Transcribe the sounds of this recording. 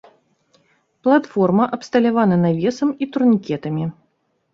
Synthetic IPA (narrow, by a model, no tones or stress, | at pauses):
plˠat̪fɔrmɐʔɐpst̪ɐlʲavanɐnavʲɛsɐmit̪urnʲikʲɛt̪ɐmʲi